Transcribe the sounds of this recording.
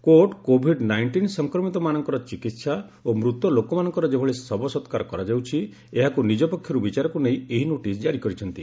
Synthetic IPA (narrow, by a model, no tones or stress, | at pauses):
koʈkobʱiɖnajɳʈinsɔŋkɾɔmit̪ɔmanɔŋkɔɾɔt͡ʃikit̪saomɾut̪ɔlokɔmanɔŋkɔɾɔd͡ʒebʱɔɭesɔbɔsɔt̪kaɾɔkɔɾad͡ʒawt͡ʃʰi | eɦakunid͡ʒɔpɔkʰːjɔɾubit͡ʃaɾɔkunejeɦinoʈis̬d͡ʒaɾikɔɾit͡ʃʰɔnt̪i